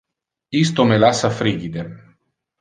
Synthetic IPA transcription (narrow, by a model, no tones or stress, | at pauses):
ist̪omelasafɾiɡid̪e